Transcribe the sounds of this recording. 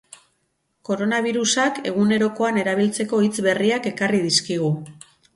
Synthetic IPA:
ko̞ɾo̞naβ̞iɾusake̞ɣ̞une̞ɾo̞ko̞ane̞ɾaβ̞ilt͡se̞ko̞it͡sβe̞riake̞kariðiskiɣ̞u

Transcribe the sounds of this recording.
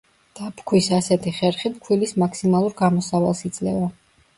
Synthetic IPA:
d̪̥apʰkʰwisasɛt̪ʰiχɛɾχip̚kʰwilismakʰsimalˠuɾɡamɔsavalˠsid̪zʼlɛva

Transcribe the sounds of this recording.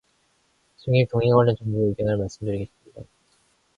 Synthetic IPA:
sʰɯŋit̪oŋɦiŋwʌɭːɯnt͡ɕʌŋbueiɡeŋɦaɭmaɭs͈ɯmdɯɾiɡe̞ɕ͈ɯmɲida

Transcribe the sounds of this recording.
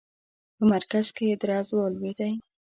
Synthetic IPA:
pəmaɾkaz̥ked̪ɾɑzwɑlwed̪aj

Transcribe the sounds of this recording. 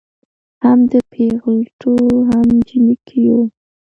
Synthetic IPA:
hamd̪əpʰeɣəlʈʰoɦamd͡ʒɪnikʰijo

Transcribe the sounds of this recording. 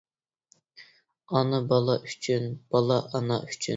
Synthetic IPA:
ɑnɨbɑlˠɑʔyt͡ʃʰynb̥ɑlˠɑʔɑnɑ̰ʔyt͡ʃʰy

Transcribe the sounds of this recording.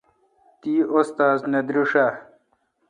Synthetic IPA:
t̪iːost̪aːzned̪ɾuʂa

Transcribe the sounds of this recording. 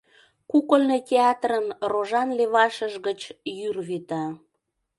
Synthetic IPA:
kukəlnetʲeɑt̪rənroʒɑnleβɑʃəʒɣət͡ɕjyrβit̪ɑ

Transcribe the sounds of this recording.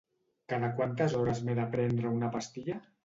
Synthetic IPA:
kaðakwant̪azɔɾazmeðapɾɛnd̪ɾəunapast̪iʎa

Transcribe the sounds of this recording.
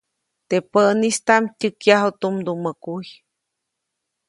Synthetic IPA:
t̪epəʔnist̪amtʲɨkjaɦot̪umd̪uməkuj

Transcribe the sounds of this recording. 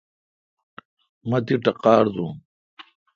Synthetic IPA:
mɐt̪iʈɐqaːɾzũ

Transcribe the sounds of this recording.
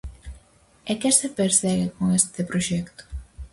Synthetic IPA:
ekesepeɾsɛɣekoŋest̪epɾoʃɛkt̪o̥

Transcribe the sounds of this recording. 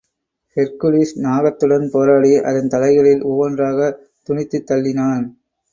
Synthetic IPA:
pɛɾkɯlisnaːɣɐt̪ːɯɽɐnpoːɾaːɽiʔɐ̰ðɐnt̪ɐlɐɪɣɐɭɪlʔʊʋɐndraːɣɐ | t̪ʊɳɪt̪ːɯt̪ːɐlːɪnaːn

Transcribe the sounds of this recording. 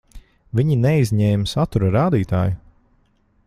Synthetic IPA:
viɲinɛizʲɲɛːmsat̪uɾaɾaːd̪iːt̪a̰ːju

